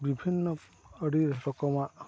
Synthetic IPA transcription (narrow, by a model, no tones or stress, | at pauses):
bibʱinːɔː | ɖiɾpɔkɔma